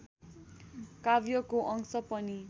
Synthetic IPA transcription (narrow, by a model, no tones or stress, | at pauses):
kabjʌkoʔʌŋsʌpʌni